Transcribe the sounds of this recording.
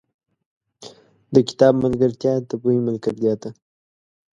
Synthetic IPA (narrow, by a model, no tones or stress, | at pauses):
d̪əkɪ̥t̪ɑbmalɡaɾt̪jɑt̪əpuimalkat̪d̪jɑt̪a